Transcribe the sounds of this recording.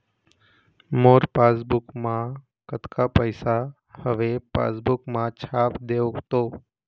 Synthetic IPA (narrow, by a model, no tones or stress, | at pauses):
moːɾpaːsbʊkmã | kət̪kapəɪsa | həʋepa̰ːsbʊkmãt͡ʃʰaːpd̪eːokt̪oː